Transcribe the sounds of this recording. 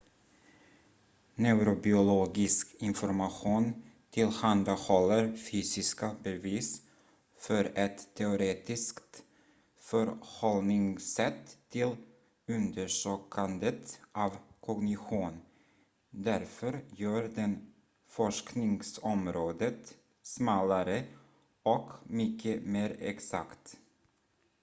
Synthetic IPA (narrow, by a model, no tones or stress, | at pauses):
nɛʉɾʊbɪʊloːɡɪskɪnfɔɾmaɧuːn | t̪ʰɪlhand̪ahɔlːəɾfyːsɪskabɛviːs | fœɾɛt̪ʰːɛʊɾeːt̪ɪskt̪ | fœɾhɔlnɪŋsɛt̪ʰːɪl | ɵnd̪əʂøːkʰand̪ət̪ʔɑːvkʰɔɡnɪɧuːn | d̪æɾfœɾjœːɾd̪ɛn | fɔʂknɪŋsɔmɾoːd̪ət̪ | smɑːlaɾə | ʔɔkmʏkʰːəmeːɾɛ̰ksa̰kt̪